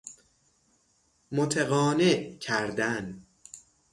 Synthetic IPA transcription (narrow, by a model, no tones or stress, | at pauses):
mot̪ʰeɣɒːneʔcʰæɾd̪æn